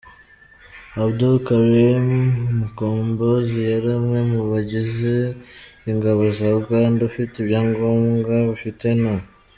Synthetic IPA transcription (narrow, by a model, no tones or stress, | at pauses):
aβdokaβeumukoːmbozijaɾamŋemuβaɟizeiŋɡaβazabɡandufiteβjaːŋɡoːmɡaβifite̞na